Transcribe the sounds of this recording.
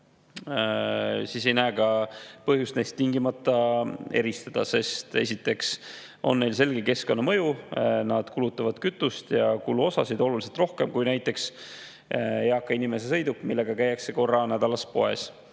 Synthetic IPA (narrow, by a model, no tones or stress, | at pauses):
siːs̬ejnæːɡ̥ɑpɤɦjust̪ne̞jst̪ːiŋɡimɑt̪ˑːɑe̞ɾist̪ɑd̪̥ɑ̰se̞st̪e̞̰sʲit̪ːˑe̞ks | o̞̰nːe̞jls̬e̞lɡeke̞sko̞nːɑmɤ̞junɑd̪̥kulut̪ːˑɑvɑd̪̥kyt̪ːˑust̪jɑkulːuo̞sɑsid̪o̞lulis̬elt̪ro̞hke̞mkujnæjt̪ːˑe̞ks | ɑkːˑɑinime̞sesɤ̞jd̪ukːˑmilːe̞ɡ̥ɑkæjɑkse̞ko̞rːɑnæd̪̥ɑlɑspo̞e̞̰s